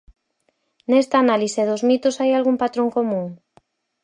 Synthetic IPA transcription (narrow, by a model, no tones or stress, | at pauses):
nest̪aːnaliseðʊzmit̪ʊsajalɣumpat̪ɾõŋkomũŋ